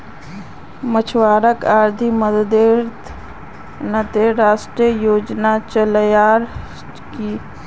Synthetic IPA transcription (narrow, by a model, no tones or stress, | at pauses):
mət͡ʃʰwaːɾəkaːɾd̪ʱiməd̪d̪eːɾt̪ʰ | nət̪eɾaːsʈɾijoːd͡ʒnat͡ʃəljaːɾ | ki